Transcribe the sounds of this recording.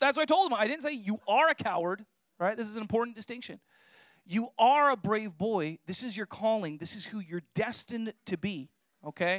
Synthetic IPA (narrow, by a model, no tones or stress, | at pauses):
ðætswʌɾaɪtoʊlˠd̪̚ə̃maɪɾɪdⁿn̩seɪjɨʔə˞ɨkʰaʊə˞d̥̚ | ɹaɪt̪̚ðɪsɨzn̩ɨ̃mpʰɔɹʔn̩d̥ɨstɪ̃ŋkʃɨ̃n | jɨʔə˞əbɹeɪvbɔɪðɪsɨzjə˞kʰɔlˠɪ̃ŋðɪsɨz̥hujə˞dɛstɨ̃ntʰɨbi | oʊkʰeɪ